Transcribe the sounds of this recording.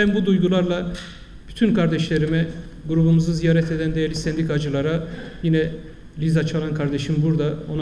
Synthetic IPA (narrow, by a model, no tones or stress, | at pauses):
ænbud̪ujɡulˠaɾlˠa | b̥yt̪ʰynkʰaɾd̪ɛʃlʲeɾimɛ | ɡuɾubumuzɯzijaːɾɛt̪ʰe̞d̪ænd̪ejɛɾlʲisɛnd̪ikʰad͡ʒɯlˠaɾajinɛ | lʲizat͡ʃʰalˠankʰaɾd̪eʃimbuɾd̪ao̞n